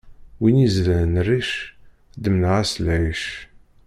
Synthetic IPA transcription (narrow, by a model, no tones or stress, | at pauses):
winizlənnrːiʃ | d̪əmnəʁæslæjəʃ